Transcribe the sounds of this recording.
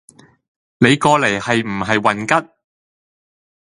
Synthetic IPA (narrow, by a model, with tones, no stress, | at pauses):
ne˨˧jkɔː˧le˨˩jhɐ˨jm̩˨˩ɦɐ˨jwɐ˨nkɐ˥t̚